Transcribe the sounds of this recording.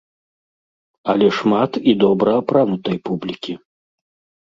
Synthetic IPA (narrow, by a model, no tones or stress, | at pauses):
ɐlʲɛʂmat̪id̪ɔbɾɐːpɾanut̪ɐjpublʲikʲi